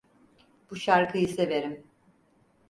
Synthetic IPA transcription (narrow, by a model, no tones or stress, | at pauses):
b̥uʃaɾkʰɯjɯseve̞ɾim